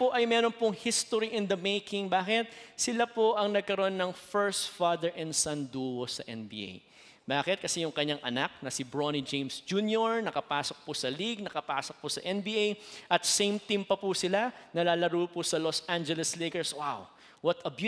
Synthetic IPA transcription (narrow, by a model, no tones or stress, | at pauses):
poʔɐjmɛɾonpʊŋhist̪oɾiʔɪ̃nd̪ɐmejkɪŋbaːkɪt̪̚sɪlapoʔɐŋnɐɡ̚kɐɾoʔonːɐŋfɛɹst̪fad̪ɛɹʔɛ̃nd̪sɐnd̪uhosɐʔɛnbḭːʔḛj | baːkɪt̪̚kɐsɛjʊŋkɐɲːaŋʔɐ̰nak̚nɐsɪbɹonid͡ʒẽjmsd͡ʒuːnjoɹnɐkɐpaːsok̚pʊsɐliɡ̚nɐkɐpa̰ːsok̚pʊsɐʔɛnbiːʔejʔɐt̪̚sejmt̪impɐpusɪlanɐlaːlɐɾuːpʊsɐlosʔãnd͡ʒɛlɛslikɛɹswaw | wɐt̪ɐb